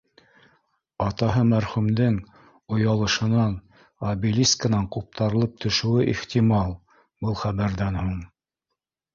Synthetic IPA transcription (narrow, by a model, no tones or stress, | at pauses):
ɑt̪ɑɦɤmæɾχʉmd̪ɘŋ | ŏjɑlˠɤ̆ʃɤ̆nɑn | ɑbilʲiskənɑɴqup̚t̪ɑɾɤ̆lˠɤp̚t̪ʰɵ̆ʃɘ̆wɘʔiχt̪ʲimɑlˠ | bɤlˠχæβæɾðænhuɴ